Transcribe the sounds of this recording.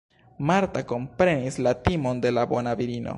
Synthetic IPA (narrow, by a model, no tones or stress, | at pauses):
maɾtako̞mpɾe̞nislatimo̞nde̞labo̞naviɾino̰